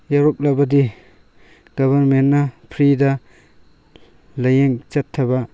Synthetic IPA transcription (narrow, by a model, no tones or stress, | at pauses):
jaɾop̚lɐbɐdi | ɡɐbʱɐɾmenːɐpʰɾidɐ | lɐjeŋt͡ʃɐtʰːɐbɐ